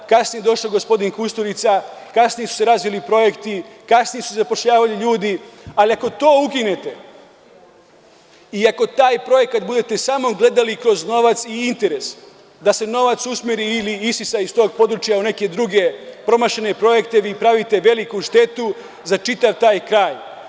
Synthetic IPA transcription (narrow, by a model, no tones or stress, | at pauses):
kasnijed̪o̞ʃloɡo̞spo̞d̪inkust̪oɾit̪sakasnijesu̥se̞ɾaːzʋilipɾo̞je̞kt̪ikasnijesusezapo̞ʃʎaːʋaliʎuːd̪ialiako̞t̪o̞ːukine̞t̪e̞ | iako̞t̪aːjpɾo̞je̞kat̪bud̪e̞t̪e̞saːmo̞ɡle̞d̪alikɾo̞zno̞ʋat̪siint̪e̞ɾe̞s | d̪ase̞no̞ʋat̪susmeɾiːliisisaist̪o̞ːɡpo̞d̪ɾut͡ʃjaune̞ke̞d̪ɾuɡe̞pɾo̞maʃene̞pɾo̞je̞kt̪e̞ʋiːpɾaʋit̪e̞ʋe̞likuʃt̪e̞t̪u | zat͡ʃit̪aʋt̪aːjkɾaːj